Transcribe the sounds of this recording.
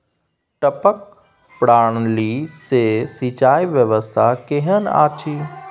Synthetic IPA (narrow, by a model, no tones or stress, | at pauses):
ʈəpək̚ | pɽaːɳ̃lisesit͡ʃaːiʋjəʋəst̪ʰakeɦəna̰ːt͡ʃʰiː